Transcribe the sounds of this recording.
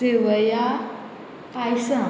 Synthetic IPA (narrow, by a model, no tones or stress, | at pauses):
eʋəja | pajsã